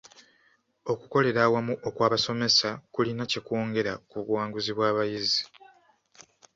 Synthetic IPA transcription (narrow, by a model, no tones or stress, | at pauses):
o̞kuko̞le̞ɾaːwamuʔo̞kwaːβaso̞me̞sakulinace̞kwo̞ːŋɡe̞ɾakuβwaːŋɡuziβwaːβajizi